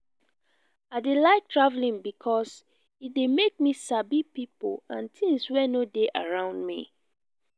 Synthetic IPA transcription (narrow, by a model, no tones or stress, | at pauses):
aɪdelaɪk̚tʰɹavlĩnbikʰɔs | it̚demek̚misabipipolãntʰĩŋswɛnodeʔaɹãʊ̃ndmḭ